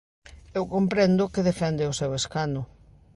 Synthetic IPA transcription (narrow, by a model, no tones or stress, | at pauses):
ewkompɾɛnd̪ʊkɪðefɛnd̪ɪʊseweskanʊ